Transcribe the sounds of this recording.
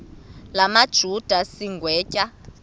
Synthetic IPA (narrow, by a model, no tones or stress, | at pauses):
lamad̥ʒ̥ʱud̥ʱasiŋɡʱwɛːcʼa